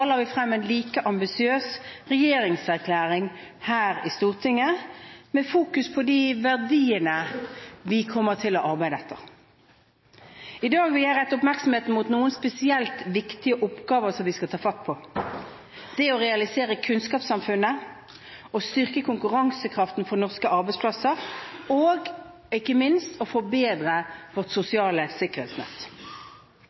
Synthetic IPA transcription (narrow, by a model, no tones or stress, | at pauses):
lɑɾʋɪfʁɛmːɛɪnliːkəʔɑmbɪsɪøːsʁɛjeːɾɪŋsæʁkʰlæːʁɪŋhæːʁɪst̪uːʁt̪ʰɪŋːəmɛfuːkʉspʰɔd̪ɪʋæʁd̪iːənəʋɪkʰɔmːəʁt̪ʰɪlɔʔɑʁbæɪd̪əɛt̪ːəʁ | ɪd̪ɑːɡʋɪhæɾɛt̪ːʊpmæʁksɔm̩heːt̪n̩muːt̪nuːənspɛsɪɛlt̪ʋɪkt̪ɪəʔʊpɡɑːʋəʁsɔmʋɪskɑt̪ʰɑːfɑt̪ːpʰɔ | d̪̥ɛɔʁɛɑlɪseːɾəkʰʉnskɑːpsɑmfʉnːə | ɔst̪ʏʁkəkʰʊŋkʉʁɑŋsəkʰʁɑft̪n̩fɔnɔʁskəʔɑʁbɛɪtspʰlɑsəɾoːɡ | ɪkːəmɪnst̪ɔfɔbeːd̪ʁəʋɔʁt̪sʊsɪɑːləsɪkːəʁḛːt̪snɛ̰t̪ː